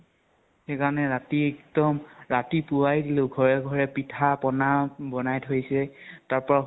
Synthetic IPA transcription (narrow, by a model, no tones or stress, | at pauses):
xekaɹɔnɛɹatiektɔmɹatipʊwajdilʊɡʱɔɹɛɡʱɔɹɛpitʰapɔnabɔnajtʰojsɛtaɹpɔ